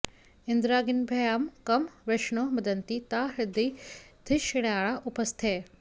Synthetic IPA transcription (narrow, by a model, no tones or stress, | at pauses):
ɪnd̪ɾaːɡinbʱɐjaːmkɐmʋeʃɳomɐd̪ɐnt̪it̪aːɦɾɪd̪id̪̥ʱɪʃiɽ̃aːɭaʔupɐst̪ʰe